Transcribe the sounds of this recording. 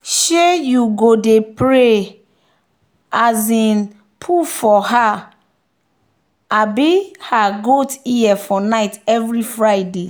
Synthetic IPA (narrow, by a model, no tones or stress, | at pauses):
ʃejuɡodepɹe | azĩn | pʰufɔha | abihaɡotijɛfɔnaɪtɛvɹifɹaɪde